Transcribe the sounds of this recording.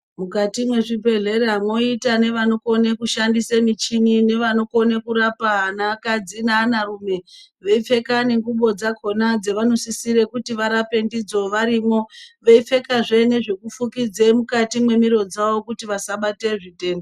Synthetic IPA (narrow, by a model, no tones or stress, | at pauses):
mukatimwe̞ʐipe̞ɮe̞ɾeɦamwo̞itane̞ʋano̞ko̞nekuʃandisemit͡ʃinine̞ʋano̞ko̞nekuɾapaanakad͡zinaːnarume̞ʋeife̞kane̞ŋɡuɓo̞d͡zakʰo̞nad͡ze̞ʋano̞sisiɾe̞kutiʋaɾape̞ndid͡zo̞ʋaɾimo̞ʋeife̞kaʐene̞ʐe̞kufukid͡zemukatimwe̞miɾo̞d͡zaʋo̞kutiʋasaɓate̞ʐite̞ːndo